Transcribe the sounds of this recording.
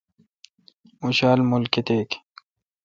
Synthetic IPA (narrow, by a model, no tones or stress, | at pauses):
uɕaːlmulkit̪eːk